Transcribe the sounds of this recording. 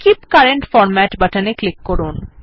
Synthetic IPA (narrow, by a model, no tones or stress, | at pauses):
kipkaɾeɳʈfɔɾmɛʈbaʈaneklikːɔɾun